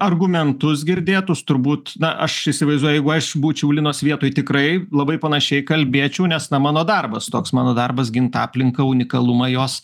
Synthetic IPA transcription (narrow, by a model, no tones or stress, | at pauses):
ɐrɡʊmʲɛnt̪ʊs̬ɡʲɪɾʲd̪ʲeːt̪ʊst̪ʊɾbuːt̪nɐʔɐʃisʲɪʋɐɪzd̪uɔjjɛɪɡʊɐʃbuːt͡ʃʲɛʊlʲɪnoːsʋʲiɛt̪oːjt̪ʲɪkɾɐɪlˠɐbɐɪpɐnɐʃʲɛɪkɐlʲbʲeːt͡ʃʲɛʊnʲɛsnɐmɑːnoːd̪ɐrbɐst̪oːksmɑːnoːd̪ɐrbɐsɡʲɪnt̪ɑːpʲlʲɪŋkɐʊnʲɪkɐlˠʊmɐjoːs